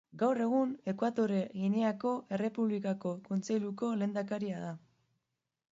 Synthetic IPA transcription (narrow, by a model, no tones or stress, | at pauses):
ɡawre̞ɣ̞une̞kwat̪o̞ɾe̞ɣineako̞ʔe̞re̞puβlikako̞ko̞nt͡se̞jluko̞le̞ːnd̪akaɾiað̞a